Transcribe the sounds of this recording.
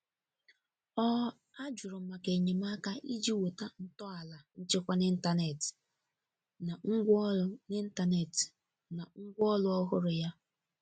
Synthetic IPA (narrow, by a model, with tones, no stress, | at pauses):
ɔ˦ | a˦d͡ʒʊ˨ɾʊ˨m̩˨ma˨ke˨ɲe˨m˦a˦ka˦ʔi˦d͡ʒi˦wo˨ta˦n̩˨tɔ˦a˨la˨n̩˦t͡ʃe˦kʷa˦ni˦n̩˦ta˦ne˨tɪ̥˨ | na˨ŋ̩˦ɡʷne˦n̩˦ta˨ne˨t | na˨ŋ̩˦ɡʷɔ˦lʊ˦ɔ˦ɦʊ˦ɾʊ˨ja˦